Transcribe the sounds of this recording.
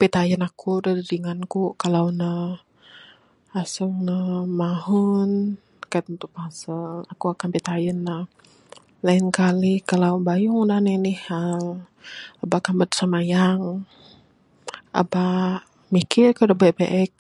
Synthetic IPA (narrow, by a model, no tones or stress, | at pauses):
pit̪ajənakʰudadidiŋankukalawnə | asuŋnəmaɦun | kat̪̚ənt̪upasəlakuakanpit̪ajənːah | lainkalikalawbajuŋdanənihal | abakanbət̪samajaŋ | a̰ba | mikɪrkudəbɛʔbeʔɛk̚